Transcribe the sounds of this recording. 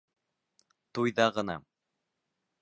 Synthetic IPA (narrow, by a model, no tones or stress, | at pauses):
t̪ujðɑʁɤ̆nɑ̰